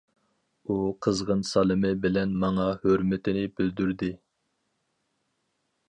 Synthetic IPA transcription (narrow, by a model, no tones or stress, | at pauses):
uqʰəzʁənsɑlˠɨmɨbɪlɛnmɑŋɑhøɾmɪt̪ʰɪnɪbɪld̪yɾd̪ɪ